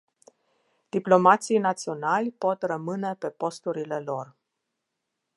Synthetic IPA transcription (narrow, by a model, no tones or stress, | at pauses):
d̪̥iplo̞mat̪sijnat̪sio̞nalʲpo̞t̪rəmɨne̞pe̞po̞st̪uɾile̞lo̞r